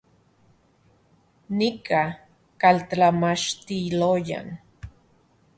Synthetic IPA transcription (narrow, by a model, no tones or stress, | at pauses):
nikʰa | kaltamaʃt̪iloja̰n